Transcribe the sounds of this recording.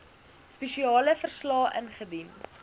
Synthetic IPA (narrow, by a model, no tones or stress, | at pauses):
spɛʃiɑːləfərslɑːʔənχədin